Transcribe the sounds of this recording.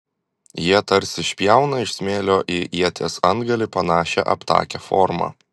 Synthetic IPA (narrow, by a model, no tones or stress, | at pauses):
jiɛt̪ɐɾʲsʲɪʃʲpʲjæˑʊnɑɪʃsʲmʲeːlʲoːʔɪʔiɛt̪ʲeːsɐnd̪ɡɐlʲɪpɐnɑːʃʲɛ̰ʔɐ̰pt̪ɑ̰ːkʲɛfɔ̰ːɾmɑ̰ː